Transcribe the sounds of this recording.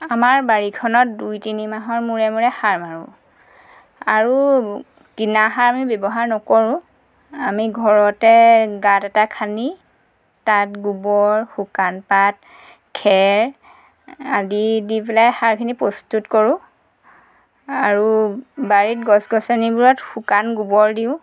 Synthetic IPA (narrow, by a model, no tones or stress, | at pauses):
amaɹbaɹikʰɔnɔt̚dujtinimaɦɔɹmuɹɛmuɹɛxaɹmaɹṵ̃ | aɹu | kinaɦaɹamibebɔɦaɹnɔkoɹʊ̃ | amiɡʱɔɹɔtɛɡatɛtakʰani | tatɡubɔɹxukanpat̚ | kʰɛɹ | adidipɛlajxaɹkʰinipɹɔstutkɔɹʊ̃ | aɹubaɹit̚ɡɔsɡɔsanibuɹɔtxukanɡubɔɹdiʊ̃